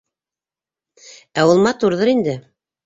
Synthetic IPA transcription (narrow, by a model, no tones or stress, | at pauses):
æwɤ̆lˠmɑt̪uɾðɤɾind̪ɘ